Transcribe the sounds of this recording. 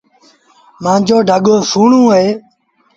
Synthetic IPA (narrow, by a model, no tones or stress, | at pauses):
mãːd͡ʒoːɖʱəɠoːsuːɳũːɦeː